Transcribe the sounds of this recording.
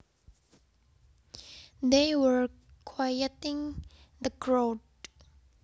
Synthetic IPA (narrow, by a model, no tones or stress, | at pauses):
d̪ewəɹ | kʰwajətɪ̃ŋ | d̪əɡɹod